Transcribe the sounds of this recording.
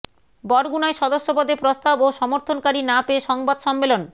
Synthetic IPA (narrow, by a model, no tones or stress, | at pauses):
bɔɾɡunaeʃɔd̪oʃːopod̪epɾost̪aboʃɔmoɾt̪ʰonkaɾinapeːʃɔŋbad̪ʃɔmːelon